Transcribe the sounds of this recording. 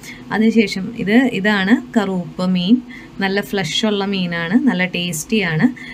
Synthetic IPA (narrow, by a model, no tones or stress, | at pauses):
ɐ̰ðɨɕe̞ːʂɐmḭðɨiðaːɳɨkɐruːpːɨmiːn | nɐlːɐfɭɐʂoɭːɐmiːnaːɳɨnɐlːɐʈeːsʈijaːɳɨ